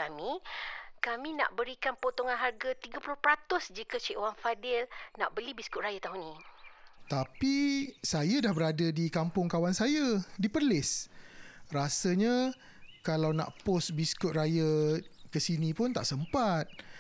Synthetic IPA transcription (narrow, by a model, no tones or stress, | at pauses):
amĩ | kamĩna̰ʔbəɾikanpot̪oŋanɦarɡat̪iɡapulʊhpəɾat̪ʊsd͡ʒikət͡ʃiʔwanfadɪlna̰ʔbəlibiskʊt̪̚rajat̪aɦunĩ | t̪apisajadahbəɾadadikampʊŋkawansajadipərlɪs | rasaɲa | kalawna̰ʔpɔsbiskʊt̪̚rajakəsinĩpʊnt̪a̰ʔsəmpat̪̚